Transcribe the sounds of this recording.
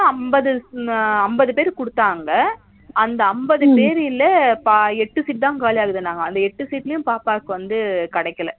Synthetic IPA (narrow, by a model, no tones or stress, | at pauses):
ɐmbɐðɯɐmbɐðɯpeːɾkʊɽɯt̪ːaːŋɡɐ | ɐnd̪ɐɐmbɐðɯpeːɾɪlːɐpɐɛʈːɯsiːʈ̚d̪ãːŋkaːlijaːɣɯðɯnaːŋɡɐːnd̪ɐɛʈːɯsiːʈːɪlɐjʊ̃mpaːpaːkːɯʋɐnd̪ɯkɐɽɐɪkːɐlɐ